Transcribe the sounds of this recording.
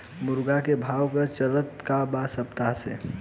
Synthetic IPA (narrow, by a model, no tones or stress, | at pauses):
mʊɾɡakebʱawkət͡ʃələt̪kabasəpt̪asḛ